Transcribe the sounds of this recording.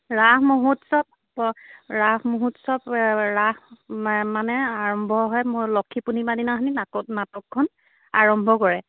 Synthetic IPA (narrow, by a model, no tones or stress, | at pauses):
ɹaɦmuɦutsɔp̚ | ɹaɦmuɦutsɔpɹahmanɛaɹɔmbʱɔɦɔjmlɔkʰːipunibadinaɦninaɔnatɔkkʰːɔn | aɹɔmbʱɔkɔɹɛ